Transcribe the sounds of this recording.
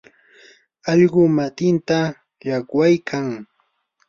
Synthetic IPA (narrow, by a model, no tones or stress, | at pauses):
ɑʎɢʊmat̪ɪnt̪a | ʎakwajkʰaŋ